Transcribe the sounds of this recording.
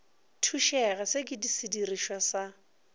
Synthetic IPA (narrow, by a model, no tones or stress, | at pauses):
tʰuʃɛɣɛsɪkʼɪdisɪdiriʃwasa